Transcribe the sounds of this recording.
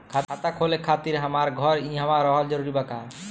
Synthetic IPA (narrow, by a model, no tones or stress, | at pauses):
kʰat̪ʰat̪akʰolekʰat̪iɾɦamaɾɡʱɔɾĩɦamaɾɔɦɔld͡ʒɔɾuɾibaka